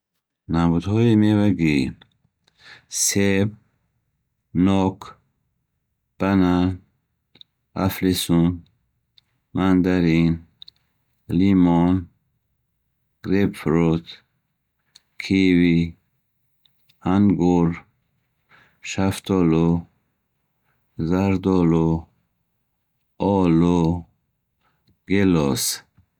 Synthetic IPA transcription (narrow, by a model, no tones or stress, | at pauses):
namud̪hɔimevaɡi | seb | nɔkʰ | b̥anan | a̰flisun | mand̪aɾin | limɔn | ɡ̥ɾepfɾot̪ | kʰivi | anɡuɾ | ʃaft̪ʰɔlo | zaɾd̪ɔlo | ɔlo | ɡelɔ̰s